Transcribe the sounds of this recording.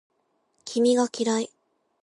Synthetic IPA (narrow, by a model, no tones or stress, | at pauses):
kʲʰimʲiɡakʲiɾai